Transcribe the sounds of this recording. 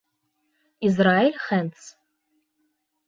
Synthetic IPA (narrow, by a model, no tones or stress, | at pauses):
izraːelʲχɛnt͡sʰ